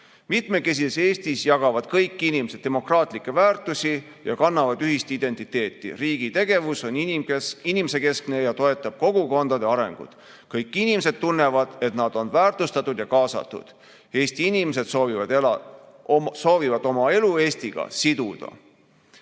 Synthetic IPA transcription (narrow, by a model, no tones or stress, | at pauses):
mit̪me̞ke̞s̬id̪ese̞ːst̪isjɑɡ̥ɑvɑd̪̥kɤjkːˑinimsee̞mo̞krɑːt̪ˑlikːˑe̞væːrt̪ˑusi | jɑ̰kɑnːɑvɑd̪̥yɦist̪id̪̥e̞nt̪it̪ːe̞ːt̪ːˑḭriːɡ̥it̪e̞ɡ̥e̞vuso̞nimeinimse̞ke̞skne̞jɑt̪o̞e̞t̪ˑːɑb̥̚ko̞ɡ̥uko̞nd̪̥ɑd̪e̞ɑɾe̞ŋɡ̥ṵd̪̥ | kɤjkːˑinimese̞d̪̥̚t̪unːe̞vɑd̪̥e̞t̪nɑd̪̥o̞nvæːrt̪ˑust̪ɑt̪ːˑud̪jɑkɑːsɑ̰t̪ːˑṵd̪̥ | e̞ːst̪iinimes̬e̞d̪sovi | so̞ːvivɑd̪̥o̞mɑe̞lue̞ːst̪iɡ̥ɑ̰sid̪̥ud̪̥ɑ̰